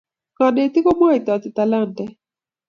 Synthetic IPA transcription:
kɔ˨ne˨t̪ɪ˦ko˦mɔ˦i˨t̪ɔ˨t̪ɪ˨t̪a˨la˦ntɛ˨

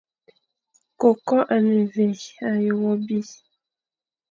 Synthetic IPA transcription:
ko˨kɔ˦ʔa˨ne˨ve˨a˨jo˨ɣɔ˦bi˦

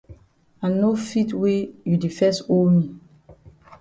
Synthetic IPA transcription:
a˨nofi˦twe˦ju˨di˨fɛ˦sto˦lmi˨

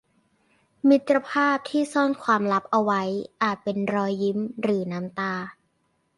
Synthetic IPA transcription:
mi˦˥t̪ɾa˧pʰaː˥˩p̚t̪ʰiː˥˩sɔː˥˩nkʰwaː˧mla˦˥p̚ʔa˧wa˦˥jʔaː˨˩t̪̚pe˧nɾɔː˧jːi˦˥mɾɯː˩˦naː˦˥mt̪aː˧

